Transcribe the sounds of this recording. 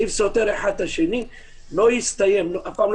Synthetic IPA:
ifsot̪eɾeħad̪aʃeni | lojɪst̪ajemloʔafʕaml

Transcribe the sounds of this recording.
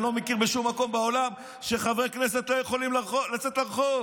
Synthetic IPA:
lo̞mekiʁbeʃumːako̞mbeo̞lam | ʃeχavʁeknes̬et̪lojeχolimllat͡set̪laʁχov

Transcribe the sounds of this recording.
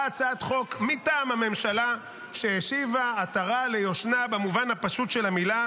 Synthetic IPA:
at͡saat̪χo̞kmitaːmhame̞mʃala | ʃejeʃivaːtaʁale̞jo̞ʃnabemuvanhapaʃutʃe̞lamila

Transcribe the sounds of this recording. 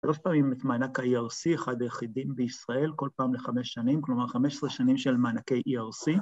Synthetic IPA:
ʃalo̞ʃpaːmimet̪maːnakhaiaʁsieχad̪ajeχidimbeisʁae̞lko̞lpaːmleχameʃːanimklo̞maʁχameʃe̥sʁeʃanimʃelmaːnake̞jʔiaʁsi

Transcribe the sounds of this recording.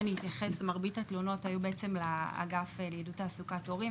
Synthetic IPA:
niit̪jaχe̞smaʁbitatlono̞thajubeet͡se̞mla̰ːɡafljidutaːsukato̞ʁi

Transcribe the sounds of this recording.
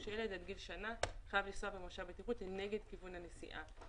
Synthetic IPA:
ʃjeledad̪ɡilʃanaχajavlisoabemoʃabet̪iʁutlene̞ɡe̞d̪kivunhane̞sḭʔa̰

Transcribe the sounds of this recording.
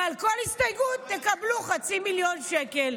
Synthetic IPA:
alko̞lhist̪ajɡut̪ːekabluχat͡similjo̞nʃekel

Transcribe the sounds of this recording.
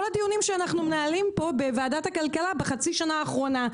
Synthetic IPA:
olad̪ijunimʃeanaχnumenaːlimpo̞bevaːdathakalkalabeχat͡siʃanaːχʁo̞na

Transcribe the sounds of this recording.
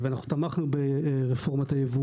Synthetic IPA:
veanaχnut̪amaχnubeʁefo̞ʁmat̪ajevu

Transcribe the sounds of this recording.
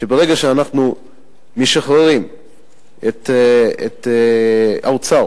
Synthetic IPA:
ʃebeʁeɡaʃeanaχnu | meʃaχʁeʁim | et̪ḛt̪ | awt͡sa

